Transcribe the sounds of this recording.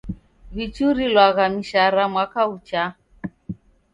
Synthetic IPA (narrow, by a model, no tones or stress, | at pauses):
βit͡ʃuɾilwaɣamiʃaɾamwakaut͡ʃa